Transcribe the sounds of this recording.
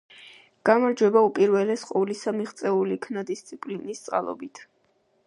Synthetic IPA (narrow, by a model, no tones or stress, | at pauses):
ɡ̥amaɾd͡ʒwɛbaupʼiɾvɛlɛsqʼɔlisamiʁt̪sʼɛulikʰnad̪ist̪sʼʰipʼlinist̪sʼqʼa̰lˠɔ̰bit̪ʰ